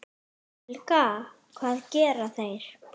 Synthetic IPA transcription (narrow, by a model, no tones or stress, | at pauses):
ɛlka | kʰvaːðcɛːɾaθejɾ̥